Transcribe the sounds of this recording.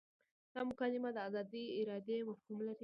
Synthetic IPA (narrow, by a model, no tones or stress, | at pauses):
d̪̥ɑmʊkɑlɪmad̪əazɑd̪iɪɾɑd̪emafhumlaɾi